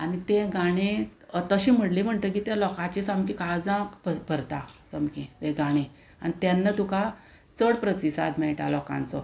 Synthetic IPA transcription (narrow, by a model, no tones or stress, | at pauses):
anit̪ẽɡaɽ̃et̪əɕim̤əɽlim̤əɳʈ̪ək̬it̪jãlɔkãt͡ɕisamkikad͡zãkbəbʱəɾt̪asəmkit̪eɡaɽ̃e | a̰nit̪janːət̪uka | t͡səɽpɾət̪isa̰d̪mɛʈa̰lɔkã̰nt͡sɔ